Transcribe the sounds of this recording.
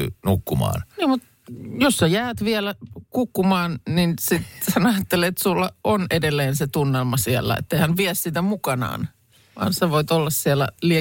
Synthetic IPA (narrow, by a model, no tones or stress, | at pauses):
nukːumɑ̰ːnniːmmut̪ | josːɑjæːt̪ʋiɛlækukːumɑːnninsit̪sænɑjɑt̪ːelet̪sulːɑʔonedelːeːnset̪unːelmɑsielːɑ̰ḛt̪ːeihænʋiæssit̪æmukɑnɑ̰ːn | ʋɑ̰ːnseʋoit̪olːɑssielːæ̰lie